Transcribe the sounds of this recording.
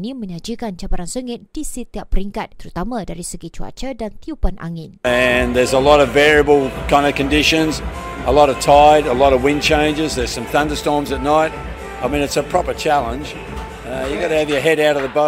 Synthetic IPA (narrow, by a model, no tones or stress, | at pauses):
nĩmə̃ɲãd͡ʒikant͡ʃabaɾansəŋɪt̪̚d̥isət̪iapːəɾiŋkat̪ːəɾut̪amãdaɾisəɡit͡ʃua̰t͡ʃədant̪iupanʔa̰ŋɪnɨ̃nðə˞zəlɔɾʌvvɛɹiəbəl̩ˠkʰãɪ̃ndɨvkɨ̃ndɪʃɨ̃nzəlɔɾʌv̥tʰaɪɾəlɔɾʌvwɪ̃nt͡ʃʰẽɪ̃nd͡ʒɨzðə˞z̥sʌ̃mθʌ̃ndə˞stɔɹmzɨtⁿnaɪt̚ | aɪmĩnɨtsəpʰɹ̥ɑpə˞t͡ʃʰælˠə̃nd͡ʒ | jɨɡɑɾɨːvjə˞ɦɛɾaʊɾʌvðəboʊ